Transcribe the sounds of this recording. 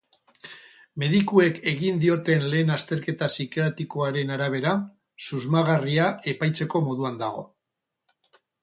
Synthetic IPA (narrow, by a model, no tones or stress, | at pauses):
me̞ðikue̞ke̞ɣind̪io̞t̪e̞nle̞ːnast̪e̞ɾke̞t̪asikeat̪iko̞aɾe̞naɾaβ̞e̞ɾa | suzmaɣ̞ariae̞pajt͡se̞ko̞mo̞ðuand̪aɣ̞o̞̰